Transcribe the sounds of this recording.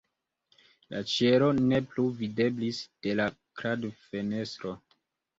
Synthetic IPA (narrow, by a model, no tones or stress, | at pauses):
lʔa̰t͡ʃe̞ɾo̞ne̞pluvide̞blisd̥e̞la | kɾadfe̞ne̞st̪ɾo̞